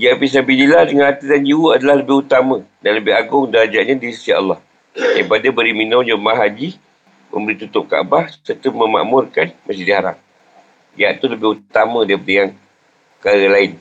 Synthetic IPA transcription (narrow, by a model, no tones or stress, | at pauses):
jaʔpis̬abinilahdəŋanat̪ədand͡ʒiwuadalahləbɪhut̪amə̃danləbɪɦaɡʊŋdəad͡ʒaʔɲãdiisia̰lːɑh | daɾipadabəɾiminõd͡ʒəmaɦad͡ʒi | mə̰̃mbəɾit̪ut̪ʊp̚ka̰a̰bahsərt̪uməma̰ʔmʊrkanmas̬idiɦaɾa̰ŋ̚ | jiaʔt̪uləbɪhut̪amə̃daɾipadəjaŋ | kaɾəlaɪn